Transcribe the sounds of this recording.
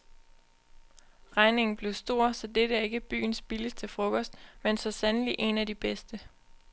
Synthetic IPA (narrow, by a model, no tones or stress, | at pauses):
ʁɑ̈ɪne̝ŋn̩b̥le̝ʊsd̥o̝ɐ̰sɒ̽d̥eɾ̥əæɐe̝ɡ̥əb̥y̰ːn̩sb̥iləst͡sʰe̝lfʁɔ̽kɒ̽sd̥mensɒ̽sænliʔe̝næd̥ib̥esd̥ə